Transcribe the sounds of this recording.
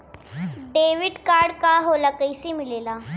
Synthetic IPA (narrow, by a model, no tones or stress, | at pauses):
ɖeʋiɖkaɾɖkaɦolakəjsimilela